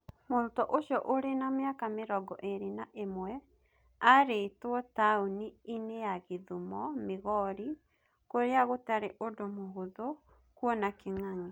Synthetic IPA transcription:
moɾtɔʔoʃjɔʔoɾenamjakameɾɔɡɔʔeɾinaʔemwɛ | aɾetwɔtauniineaɣeðumɔmeɣɔɾi | koɾeaɣotaɾeʔodomoɦuðo | kwɔnakeŋaŋe

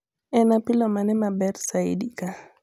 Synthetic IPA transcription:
ɛnapilɔmanɛmabɛrsaḭdika

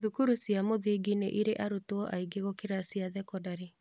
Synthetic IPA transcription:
ðukuɾusjamoðeɡineʔiɾeʔaɾutoɔʔaiɡeɣɔkeɾasiaðɛkɔdaɾe

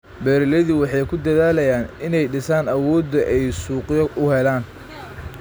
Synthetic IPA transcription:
bɛːɾɪlɐðiwɑħɑjkʰʊd̪ɐðaːlɐjaːnɪnɛjɖɪsaːnɐwɔːd̪ːɐʔɛjsuːqjɔʊhɛlaːn

